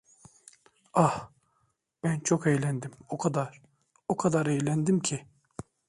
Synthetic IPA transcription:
ah | b̥ænt͡ʃʰo̞kejlʲænd̪imokʰad̪aɾ | okʰad̪aɾejlʲænd̪imcʰi

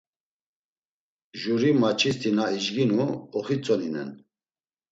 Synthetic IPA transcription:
ʒuɾimat͡ʃʰist̪ʰinaiʒɡinuɔχit͡sʼɔninɛ̰n

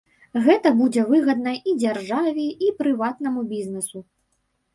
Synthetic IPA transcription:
ɣɛt̪ɐbud͡zʲɛvɨɣɐd̪̚nɐid͡zʲarʐavʲɛipɾɨvat̪nɐmubʲiznɛsu

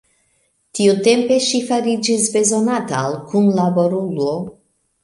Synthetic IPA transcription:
t̪iut̪empeʃifaɾid͡ʒizbezonat̪alkʰunlaboɾuluo

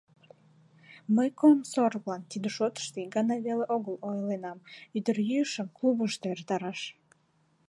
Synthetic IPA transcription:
məjkomsorβlɑnt̪id̪əʃot̪ə̥ʃt̪eɡɑnɑβeleʔoɣəlojlenɑmyd̪ərjyəʃəmkluβəʃt̪eert̪ɑɾɑʃ

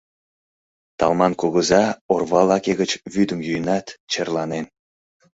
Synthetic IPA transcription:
t̪ɑ̰lmɑnkoɣəzɑorβɑlɑkeɣət͡ɕβyd̪əmjyjənɑt̪t͡ɕərlɑnen

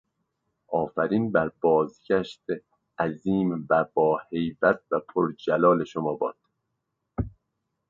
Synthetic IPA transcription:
ʔɒːfæɾiːnbæɾbɒːzɟæʃt̪e | æziːmvæbɒːhe̞jvæt̪̚ʰvæpʰoɾd͡ʒælɒːle̞ʃomɒːbɒːd̪̥

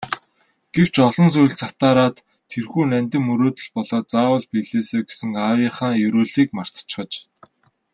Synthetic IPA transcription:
ɡ̥ew̥t͡ɕɔɮɞ̆nsuj̆ɬt͡sat̪aːɾaːt̪ʰː | erxuːnæmʲt̪ɘ̆mːɵɾoːt̪ɵ̆ɮpɔɮɔːt͡saːwə̆ɮpiɮeːseːɡe̥sɘ̆ŋaːwiːχaːŋjɵɾuːɮiːkmar̥t̪t͡ɕχə̆t͡ɕ

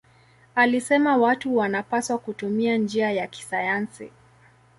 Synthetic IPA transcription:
alisɛmawatuwanapaswakutumiand͡ʒiajaki̥sajansḭ

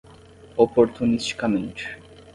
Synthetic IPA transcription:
ɔpoɾt̪ʰunisʈkameɳʈ

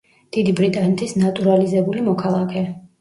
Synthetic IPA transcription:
d̪̥id̪ibɾit̪ʼanɛt̪ʰisnat̪ʼuɾalizɛbulimɔkʰalˠakʰɛ

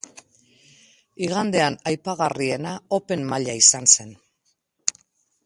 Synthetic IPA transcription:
iɣand̪e̞anajpaɣ̞arie̞naope̞mmaʎaisanse̞n

